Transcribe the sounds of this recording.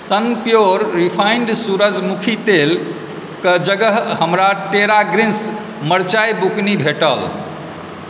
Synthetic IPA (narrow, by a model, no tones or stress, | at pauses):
sənpjoɾːipʰaɪɳɖsuɾəd͡ʒmukʰit̪el | kəd͡ʒəɡəɦɦəmɾaʈeɾaɡɾins | məɾt͡ʃajbuknibʱeʈəl